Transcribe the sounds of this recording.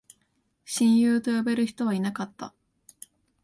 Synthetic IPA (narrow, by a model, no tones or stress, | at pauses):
ɕĩɰ̃jɯːt̪o̞jo̞be̞ɾɯ̟çi̥t̪o̞β̞ainakat̪ːa̰